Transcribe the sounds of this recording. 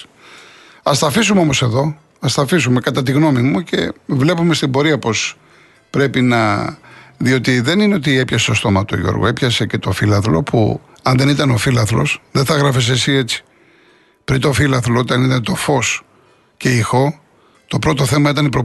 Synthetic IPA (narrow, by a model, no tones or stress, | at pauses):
ɐst̪ɐfisumeo̞mo̞se̞ðo̞ | ɐst̪ɐfisume̞kɐt̪ɐt̪̬iɣno̞mimuce̞̰vle̞pume̞st̪ibo̞ɾiɐpo̞s | pɾe̞pinɐ | ðio̞t̪iðe̞nineo̞t̪ie̞pçɐset̪o̞st̪o̞mɐt̪o̰ʝo̰ɾɣo̰e̞pçɐsece̞t̪ofilɐθlo̞̰pʰṵ | ɐnðe̞nit̪ɐnofilɐθlo̞̰sðeθɐɣɾɐfes̬esie̞t͡si̥ | pɾint̪o̞filɐθloot̪iɐnit̪ɐnet̪o̞fo̞s | ce̞ixo̞ | t̪o̞pɾo̞t̪o̞θe̞mɐit̪ɐnipɾo̞